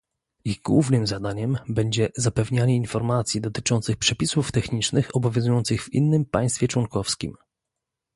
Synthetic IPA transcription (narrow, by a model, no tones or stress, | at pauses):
iɣɡwuvnɘmzad̪aɲɛmbɛɲd͡ʑɛzapɛvɲaɲɛinfɔɾmat̪sʲjid̪ɔt̪ɘ̥t͡ʂɔnt̪sɘxpʂɛpʲisuft̪ɛxɲit͡ʂnɘxɔbɔvʲjɔ̃zujɔnt̪sɘɣvḭnːɘmpaj̃st̪fʲjɛt͡ʂwɔŋkɔfskʲḭm